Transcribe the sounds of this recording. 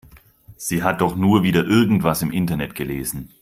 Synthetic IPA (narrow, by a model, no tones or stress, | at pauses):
z̥iːɦat̚d̥ɔχnuːɐviːdɐʔɪɐɡŋ̩tv̥asɪmʔɪntɐnɛtɡ̥əleːzn̩